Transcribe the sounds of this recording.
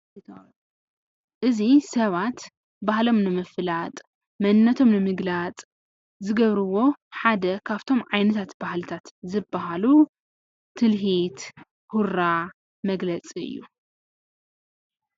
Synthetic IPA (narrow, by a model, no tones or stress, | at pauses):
ʔɨzisɐβat̪ | bahlo̞mnɨmɨflat̪ʼ | mɐnːɐt̪ʰo̞mnɨmɨɡlat͡sʼ | zɨɡɐβɾɨwo̞ħad̪ɐkʰaβt̪ʰo̞mʕajnɐt̪ʰat̪bahlɨt̪ʰat̪zɨbːaɦalu | t̪ʰɨlɦit̪ | huɾa | mɐɡlɐt͡sʼiɨ̰jːu